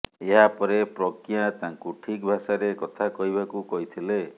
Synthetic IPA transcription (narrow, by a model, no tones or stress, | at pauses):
eɦapɔɾepɾɔkjãt̪ãŋkuʈʰikbʱasaɾekɔt̪ʰakɔɦibʱakukɔɦit̪ʰile